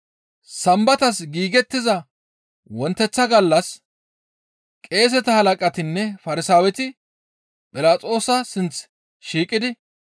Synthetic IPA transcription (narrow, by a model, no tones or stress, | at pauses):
sɐmbɐt̪ɐsɡiːɡɛt̪ːɪzɐ | wɔnt̪ːɛt͡sːɐɡɐlːɐs | kʼe̞ːs̬ɛt̪ɐhɐlɐkʼɐt̪ɪnːɛfɐɾɪsaːwɛt̪ɪ | pʼɪlaːt͡sʼo̞ːsɐsɪnt͡s | ʃiːkʼːɪd̪ɪ